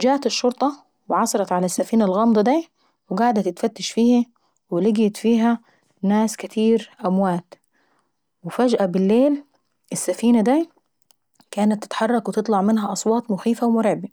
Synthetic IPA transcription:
d͡ʒæːʔt̪ɪʃːoɾt̪ˤɑ | wɪʕɑsˤɑɾˤɑt̪ʕalæsːafiːnælɣɑmd̪ˤɑd̪iː | wɪɡaʕd̪æt̪ɪt̪fæt̪ːɪʃfiːhæ | wɪlɪɡjɪt̪fiːɦæ | næːskɪt̪ʰiːɾʔæmwaːt̪ | wɪfæd͡ʒʔæbɪlːeːl | ʔɪsːæfiːnæd̪æ | kaːnat̪ːɪ̥t̪ħɑrˤːɑkwɪt̪ɨt̪ˤlɑʕmɪnɦæʔɑsˤwɑːt̪ˤmʊxiːfawmʊɾba

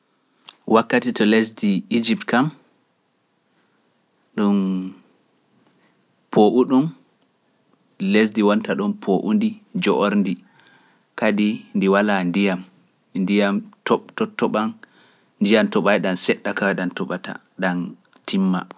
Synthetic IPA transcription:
wakːatitɔlesdiid͡ʒip̚tkam | ɗun | pʰoʔuɗun | les̬diwantaɗɔnpʰoʔundid͡ʒɔʔoɾndi | kadindiwalandijam | ndijamtɔɓtɔtːɔɓan | ndijamtɔɓajɗansɛɗːakawɛɗantɔɓata̰ | ɗan | tʰimːa̰

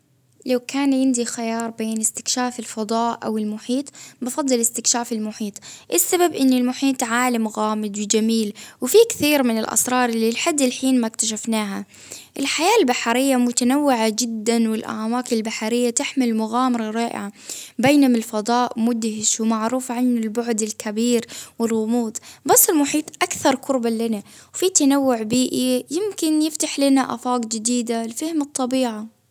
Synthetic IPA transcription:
lawkaːnjɪnd̪ixɪjɑːɾˤbeːnɪst̪ɪ̥kʃaːfɪlfɑd̪ˤɑːʔʔa̰wɪlmʊħiːt̪ˤbɪfɑd̪ˤːɨlɪst̪ɪkʃaːfɪlmʊħiːt̪ˤʔɪsːababʔɪnːɪlmʊħiːt̪ˤʕaːlamɣaːmɪd̪wɪd͡ʒamiːlwɪfikθiːɾmɪnɪlʔɑ̰sɾˤɑːɾˤlilħad̪ːɪlħiːnmakt̪aʃ̬afnaːɦa | ʔɪlħajaːlbaħaɾɪjːamʊt̪anawːɪʕad͡ʒɪd̪ːanwɪlʔa̰ʕwaːklbaħaɾɪjːat̪ɪħmɪlmʊɣaːmɑɾˤɑɾˤɑːʔɪ̰ʕabeːnʊmɪlfɑd̪ˤɑːʔmʊd̪hɪʃwmaʕɾuːfʕanɪlbʊʕd̪ɪlkʰabiːɾwɪlɣʊmuːt̪basˤːɪlmʊħiːt̪ˤʔakθɑɾˤkʊɾbalɪnawfit̪anawːʊʕbiːʔijɪmkɪnjɪft̪aħlɪnaʔa̰fɑːqd͡ʒɪd̪iːd̪alfɪhɪmɨt̪ˤːɑbiːʕa

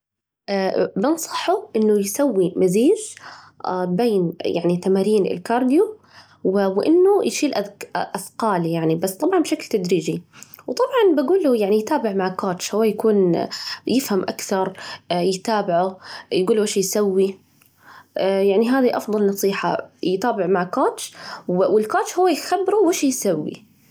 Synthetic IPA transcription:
ʔaːbɪnsˤɑ̥ħʊʔɪnːʊjsawːimaziːz | ʔbeːnja̰ʕnit̪amaːɾiːnɪ̰lkɑːɾˤd̪ju | wwʔɪnːʊjʃiːlʔaʔaθqɑːljaʕnibasːt̪ˤɑbʕɑnbʃaklt̪ad̪ɾiːd͡ʒiwt̪ˤɑbʕɑnbaɡuːlujaʕnijt̪aːbɪʕmaʕkoːt̪ʃhʊwːajakuːnjɪfhamʔakθɑɾˤjɪt̪aːbɪʕʊjɡuːlwɪːʃjsawːi | ʔjaʕniɦaːðiʔɑfðˤɑlnɑsˤiːħa̰jɪt̪aːbɪʕmaʕkoːt̪t͡ʃwwɪlkoːt̪t͡ʃhʊwːajxabːɾuwɪːʃjsawːḭ

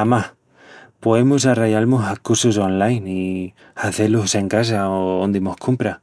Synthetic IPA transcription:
amah | poemusaraʝalmusakuɾsus̬onlajni | aθe̞luse̞ŋkas̬aoond̪imohkʰumpɾa

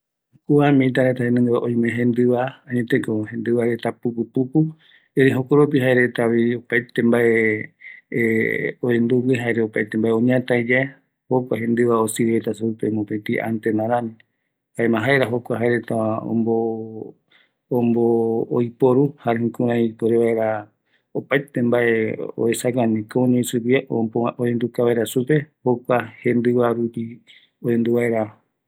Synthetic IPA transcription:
kuamĩt̪aɾet̪ahenɨ̃ŋɡβaʔõj̃mẽɦẽnd̪ɨβaãɲẽt̪ekohẽ̞nd̪ɨβaɾe̞t̪apupupupu | eɾiɦokoɾop̬iɦaeɾe̞t̪aβiopajt̪embae | oend̪uɡiɦaeɾeopajt̪embaeõɲãt̪ajd͡ʒae | hokʷaɦẽ̞nd̪ɨβaosiɾet̪aseupemũpet̪iʔa̰nt̪enãɾãmĩ | baemãɦaeɾaɦokʷaɦaeɾet̪ao̰mbo | mboːjpoɾuhaɾẽkũɾãipoɾeβaeɾa | opajt̪embaeo̰esakanĩkoõɲẽisɨpiaʔoend̪ukaβaeɾasupe̞hokʷahẽ̞nd̪ɨβaɾupi | oend̪uβaeɾa

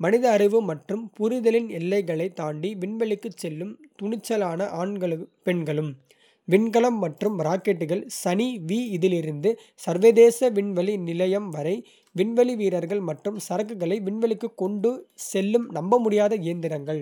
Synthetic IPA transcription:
mɐnɪðɐːɾɪʋɯmɐʈrɯmpʊɾɪðɐlɪnɛlːɐɪɣɐɭɐɪt̪ːaːɳɖiʋɪɳʋɐɭɪkːɯt͡ʃːɛlːɯmt̪ʊɳɪt͡ʃːɐlaːnɐʔaːɳɡɐɭɯpɛɳɡɐɭɯm | ʋɪɳɡɐɭɐmːɐʈrɯmɾaːkeʈːɯɣɐɭsɐniʋiːɪðɪlɪɾɯnd̪ɯ | sɐɾʋɐðeːsɐʋɪɳʋɐɭinɪlɐjɐmʋɐɾɐɪ | ʋɪɳʋɐɭiʋiːɾɐɾɣɐɭmɐʈrɯmsɐɾɐkːɯɣɐɭɐɪʋɪɳʋɐɭɪkːɯkːɔɳɖɯsɛlːɯmnɐmbɐmʊɽɪjaːðɐɪjɐnd̪ɪɾɐŋɡɐɭ

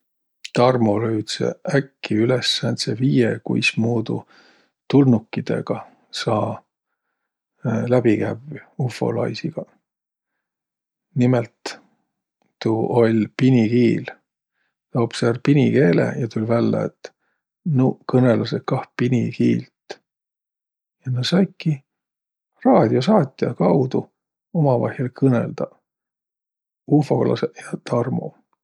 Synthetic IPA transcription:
t̪ɑrmoløyɥt̪sḛækːiylesːænseviːjekṵjsmuːd̪ṵ | t̪ulnukːid̪̥e̞̰ɡ̥ɑ | sɑː | læb̥ikæbufːo̞̰lɑ̰jsiɡ̥ɑ | nimelt̪ | uo̞lʲpinʲikiːl | t̪oːb̥seːrpinʲike̞ːlḛjɑt̪ulʲvælːḛḛt̪ː | nukɤnelɑsekɑhpinikiːlt̪ | jɑnesɑjkːi | rɑːd̪̥ʲio̞sɑːt̪ʲːˑjɑkɑwd̪u | omɑvɑ̰hjɑlkɤnḛld̪̥ɑ | ufo̞klɑ̰sejɑt̪ɑrmo̰

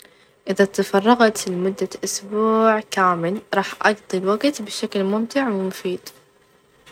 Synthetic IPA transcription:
ʔɪðat̪ɑfɑrˤːɑɣt̪lmʊd̪ːaʔʊsbuːʕkaːmɪlɾˤɑːħʔɑɡt̪ˤilwaɡt̪bɪʃaklmʊmt̪ɪʕwɪmʊfiːd̪̥

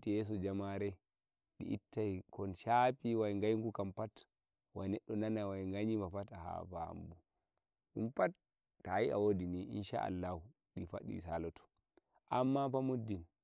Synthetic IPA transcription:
tijɛs̬ɔd͡ʒamaɾɛ | ɗḭʔitːajkɔnʃapiwajŋɡajŋɡukampat | wajnɛɗːɔnanawajŋɡaɲimapataha̰baha̰mbu | ɗumpatː | ajia̰wodiniʔḭnʃa̰ʔa̰lːahu | ɗifa̰ɗḭsalɔtɔ̥ | ʔamːapamudːin

